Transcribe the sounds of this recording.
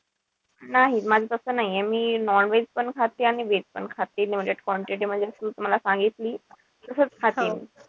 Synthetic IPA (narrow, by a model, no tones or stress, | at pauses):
naɦimad͡zʱet̪əsəːnaɦijɛmiːnɔnʋed͡zpəɳkʰat̪iaɽ̃iʋed͡zpəɳkʰat̪iːnim̤əd͡ʑeʈkɔɳʈɾeʈim̤əɳd͡zeəsut̪um̤alasãŋɡit̪liː | t̪əsət͡skʰat̪iːn